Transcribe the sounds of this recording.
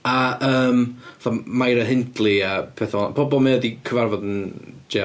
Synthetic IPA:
aəːmθɔmajɾəɦɪntlˠiəpʰɛθaɔnpʰɔbɔlˠməədikʰəvarvɔdənd͡ʒe

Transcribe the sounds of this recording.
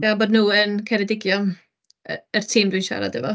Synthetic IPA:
ɡ̥aːboːdnuːənkʰɛɾɛdɪɡjɔm | ərtʰiːmdwinʃa̰ɾa̰dɛvɔ

